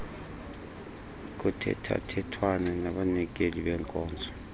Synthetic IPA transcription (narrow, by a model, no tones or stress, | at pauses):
k̬utʰɛ̰tʰa̰tʰɛtʰwananaɓanɛk̬eliɓɛŋkʼɔːnd͡zʱɔ